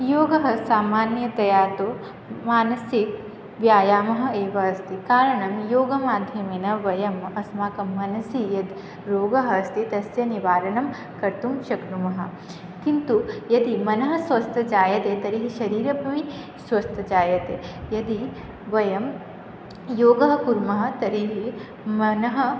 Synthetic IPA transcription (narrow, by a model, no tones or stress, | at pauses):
joːɡɐɦɐ̆saːmaːnjɐt̪ɐjaːɾt̪oː | maːnɐsik̚ | ʋjaːjaːmɐɦɐ̆eːʋɐːst̪ikaːɾɐɳɐmjoːɡɐmaːd̪ʱjɐmeːnɐʋɐjɐmɐsmaːkɐmːɐnɐsijɐd̪ | ɾoːɡɐɦɐːst̪it̪ɐsjɐniʋaːɾɐɳɐm | kɐɾt̪umʃɐknumɐɦɐ̆ | kint̪ujɐd̪imɐnɐɦɐsʋɐst̪ʰɐd͡ʒaːjɐt̪et̪ɐɾiɦiʃɐɾiːɾɐbʱɐʋi | sʋɐst̪ʰɐd͡ʒaːjɐt̪eːjɐd̪i | ʋɐjɐm | joːɡɐɦɐkuɾmɐɦɐ̆t̪ɐɾiɦi | mɐnɐɦɐ̆